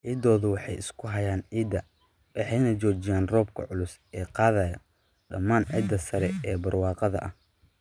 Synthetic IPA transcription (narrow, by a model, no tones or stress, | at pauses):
ʕiːd̪ɔːðʊwɑħɑjɪskʰʊɦɐjaːniːd̪ɐ | wʔɑħɑjnɐt͡ʃɔːt͡ʃɪjaːnrɔːb̚kʰɐ̰ʕʊlʊsɛːqɑːðɐjɐ | ɖɐmːaːnʕḭd̪ɐsɐɾɛɛːbɐrwɑːqɑðɐ̰ʔɐh